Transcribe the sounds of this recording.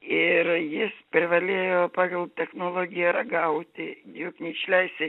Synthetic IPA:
ɪrjɪspʲɾʲɪʋɐlʲeːjoːpɑːɡɐlˠt̪ʲɛxnoːlˠoːɡʲɪjɛɾɐɡɐʊt̪ʲɪjʊknʲɛɪʃʲlʲɛɪstʲɪ

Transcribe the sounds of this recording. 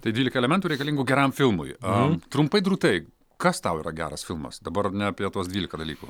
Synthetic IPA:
t̪ɐɪdʲʋiːlʲɪkɐɛlʲɛmʲɛnt̪uːɾʲɛɪkɐlʲɪŋɡuːɡʲɛɾɐmfʲɪlˠmʊ̰jɐt̪ɾʊmpɐɪd̪ɾuːt̪ɐɪ | kɐst̪ɐʊiːɾɐɡʲæ̰ːɾɐsfʲɪlˠmɐ̰sd̪ɐbɐrnʲɛɐpʲiɛt̪uɔsd̪ʲʋʲiːlʲɪkɐd̪ɐlʲiːkṵ

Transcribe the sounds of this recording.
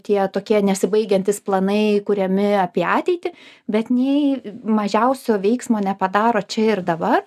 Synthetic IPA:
t̪ʲiɛt̪oːkʲiɛnʲɛsʲɪbɐɪɡʲɛnʲt̪ʲɪsplˠɐnɐɪkʊɾʲɛmʲɪɐpʲiɛɑːt̪ʲɛɪt̪ʲɪ | bʲɛt̪nʲɛɪmɐʒʲɛʊsʲoːʋʲɛɪksmoːnʲɛpɐd̪ɑːɾoːt͡ʃʲɛɪɾd̪ɐbɐr

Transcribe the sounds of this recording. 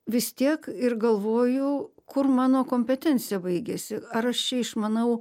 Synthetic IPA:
ʋʲɪst̪ʲiɛkɪrɡɐlˠʋoːjʊkʊrmɑːnoːkoːmʲpʲɛt̪ʲɛnʲt̪t͡ssʲɪjɛbɐɪɡʲeːsʲɪɐɾɐʃt͡ʃʲɛɪʃmɐnɐʊ

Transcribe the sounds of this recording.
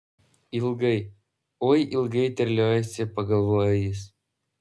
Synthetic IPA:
ɪlˠɡɐɪ | oːjʔɪlˠɡɐɪt̪ʲɛɾʲlʲoːjɛsʲɪpɐɡɐlˠʋoːjɛjɪs

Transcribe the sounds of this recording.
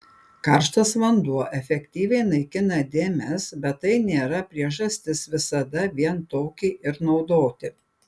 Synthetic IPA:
kɐɾʃt̪ɐsʋɐnd̪uɔʔɛfʲɛkʲt̪ʲiːʋʲɛɪnɐɪkʲɪnɐd̪ʲeːmʲɛsbʲɛt̪̚t̪ːɐɪnʲeːɾɐpʲɾʲiɛʒɐsʲt̪ʲɪsʋʲɪsɐd̪ɐʋʲiɛnt̪oːkʲiːʔɪɾnɒʊd̪oːt̪ʲɪ

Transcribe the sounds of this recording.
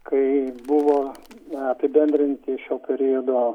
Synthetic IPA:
kɐɪbʊʋoːɐpʲɪbʲɛnʲd̪ʲɾʲɪnʲt̪ʲɪʃʲoːpʲɛɾʲijod̪oː

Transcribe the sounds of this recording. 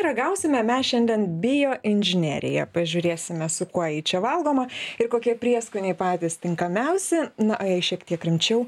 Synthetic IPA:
ɾɐɡɐʊsʲɪmʲɛmʲɛsʃʲɛnʲd̪ʲɛnbʲɪjoːʔɪnʲʒʲɪnʲḛːɾʲɪ̰jɛ̰pɐʒʲʊɾʲeːsʲɪmʲɛsʊkuɔjiːt͡ʃʲɛʋɐlˠɡoːmɐɪɾkoːkʲiɛpʲɾʲiɛskʊnʲɛɪpɑːt̪ʲiːst̪ʲɪŋkɐmʲɛʊsʲɛnɐʔɐjɐɪʃʲiɛkt̪ʲiɛkɾʲɪmʲt͡ʃʲɛʊ

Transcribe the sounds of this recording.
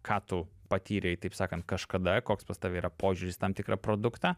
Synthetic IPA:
kʰɑːt̪ʊpɐt̪ʲiːɾʲɛɪt̪ɐɪpsɑːkɐnt̪kɐʃkɐd̪ɐkoːkspɐst̪ɐːʋʲɛiːɾɐpoːʒʲuɾʲɪst̪ɐmt̪ʲɪkɾʔɐpɾoːd̪ʊkt̪ɑː

